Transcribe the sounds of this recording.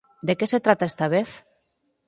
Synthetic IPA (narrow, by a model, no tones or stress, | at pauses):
d̪ekese̞t̪ɾat̪aest̪aβ̞eθ